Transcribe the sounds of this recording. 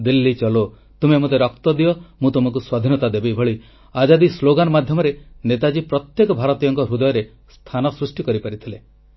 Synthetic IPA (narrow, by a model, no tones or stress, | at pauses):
d̪ilːit͡ʃɔlo | t̪umemot̪eɾɔkt̪ɔd̪ijɔmũt̪umɔŋk̬uswad̪ʱinɔt̪ad̪ebebʱɔɭi | ad͡ʒad̪isloɡanɔmad̪ʱjɔmɔɾenet̪ad͡ʒipɾɔt̪jekɔbʱaɾɔt̪ijɔŋkɔɾud̪ɔjɔɾe | st̪ʰanɔsɾusʈikɔɾipaɾit̪ʰile